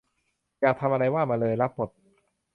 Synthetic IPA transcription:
jaː˨˩k̚t̪ʰa˧mʔa˧ɾa˧jwaː˥˩maː˧lɤː˧jla˦˥p̚ːo˨˩t̪̚

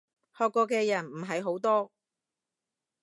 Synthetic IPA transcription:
hɔː˨˧kːɔː˧k̬ɛː˧jɐ˨˩nm̩˨˩ɦɐ˨˧jɦo˨˥wt̪ɔː˥

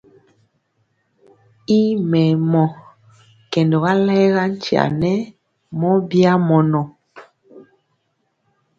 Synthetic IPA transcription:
i˦mɛ˨mɔ˨ | kɛ˨ndɔ˨ɣa˦lɛ˦ɣa˦n˦t͡ʃi˨a̰˨nɛ˦ | mɔ˦bi˦a˦mɔ˨nɔ˨

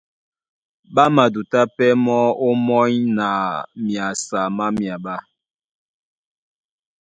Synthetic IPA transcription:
ɓa˦ma˨du˨ta˦pɛ˦mɔ˦o˦mɔ˦ɲna˨mja˨sa˨ma˦mja˨ɓa˦

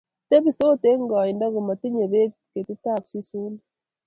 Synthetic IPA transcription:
te˦bi˨so˦te˦ŋɡɔ˨i˨nda˦ku˨ma˨ti˦ɲe˨be˦kke˨ti˦ta˦˨psi˦su˦n

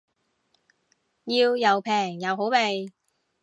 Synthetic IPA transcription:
jiː˧wjɐ˨wpʰɛː˨˩ŋjɐ˨˧wɦo˨˥wpe˨j

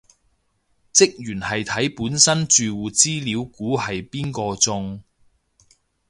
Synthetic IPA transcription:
t͡sɪ˥k̚jyː˨˩nhɐ˨jt̪ʰɐ˨˥jpuː˨˥nsɐ˥nt͡ʃyː˨wuː˨˩t͡siː˥liː˨˧wkuː˨˥hɐ˨jpiː˥nkɔː˧t͡sʊ˧ŋ

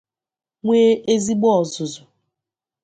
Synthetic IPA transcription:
ŋʷe˦ʔe˦zi˦ɡ͡bɔ˦ɔ˨zʊ˨zʊ˨

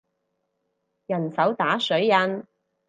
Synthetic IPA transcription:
jɐ˨˩nsɐ˨˥wt̪aː˨˥sɵ˨˥ɥjɐ˧n

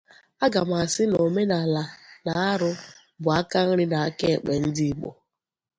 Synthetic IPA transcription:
a˦ɡa˨m˨a˨sɪ˦no˨me˦na˨la˨na˨a˦ɾʊ˦ | bʊ˨a˦ka˦n̩˦ɾɪ˦na˨a˦ke˦˨k͡pe˨n̩˦dɪ˦˨k͡po̰˨

